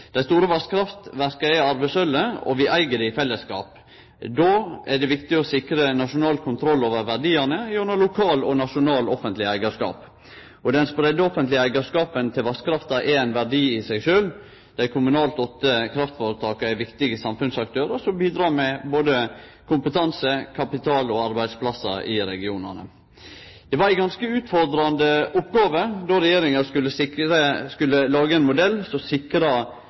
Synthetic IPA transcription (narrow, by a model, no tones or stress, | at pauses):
d̪̥æɪst̪uːɾəʋɑskʰɾɑft̪ʋæɾkəæɪɑɾbæsœlːəɔ̰ʋɪʔæɪɡəd̪ɛɪfɛlːəskɑ̰ːp | d̪oːæɖɛʋɪkt̪ɪɔsɪkɾənɑʂʊnɑːlkʰʊnt̪ʰɾɔlːoːʋəɾʋæɾɖiːɑnəjɔnəlʊkʰɑːlɔnɑʂʊnɑːlɔfənt̪lɪæɪɡɑʂkɑ̰ːp | ɔd̪ɛnspɾɛd̪ːəɔfənt̪lɪæɪɡɑʂkɑːpənt̪ʰɪlʋɑskʰɾɑft̪ɑʔɛæɪnʋæɖiːɪsæɪɡʂøːl | d̪̥æɪkʰʊmʉnɑːlt̪ɔt̪ːəkʰɾɑft̪foːɾət̪ʰɑːkɑæʋɪkt̪ɪɡəsɑmfʉnsɑk̚t̪ʰøːɾəʂɔmbiːd̪ɾɑːɾmɛboːd̪əkʰʊmpət̪ʰɑnsəkʰɑpɪt̪ʰɑːlɔɑɾbæɪd̪spʰlɑsɑ̰ɪɾɛ̰ɡɪuːnə̰nə̰ | d̪̥ɛʋɑɾæɪɡɑnskəʉːt̪fɔɾd̪ɾɑnd̪əʊpːɡɑːʋəd̪ɔɾɛjeːɾɪŋɑkʉlːəsɪəskʉlːəlɑːɡəɛnmʊd̪ɛlːsɔsɪkɾɑ